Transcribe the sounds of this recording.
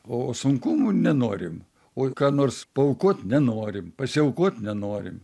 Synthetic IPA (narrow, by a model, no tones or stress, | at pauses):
oːsʊŋkʊmunʲɛnoːɾʲɪm | oːkɑːnoːrspɐʊkoːt̪nʲɛnoːɾʲɪmpɐsʲɪɛʊkoːt̪nʲɛnoːɾʲɪ̰m